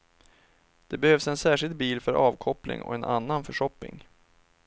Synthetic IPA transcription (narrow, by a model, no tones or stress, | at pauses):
d̪̥ɛbɛhøːvsɛnsæːʂɪld̪t̪̚biːlfœɾʔɑːvkʰɔplɪ̰ŋɔ̰ɛnʔa̰nːanfœʂɔpːɪ̰ŋ